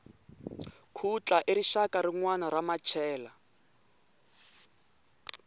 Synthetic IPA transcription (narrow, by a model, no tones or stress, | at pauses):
kʰut͡ɬaʔiɾiʃakaɾiŋwanaɾamat͡ʃʰɛːla